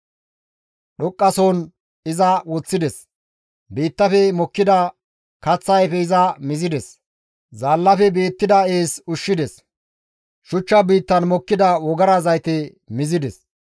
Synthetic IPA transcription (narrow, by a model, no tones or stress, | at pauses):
ɗɔkʼːɐsoːn | ɪzɐwɔt͡sːɪd̪ɛs | biːt̪ːɐfɛmɔkːɪd̪ɐ | kɐt͡sːɐjfɛɪzɐmɪzɪd̪ɛs | zaːlːɐfɛbeːt̪ːɪd̪ɐeːsʊʃːɪd̪ɛs | ʃʊt͡ʃːɐbiːt̪ːɐnmɔkːɪd̪ɐwɔɡɐɾazɐjt̪ɛ | mɪzɪd̪ɛs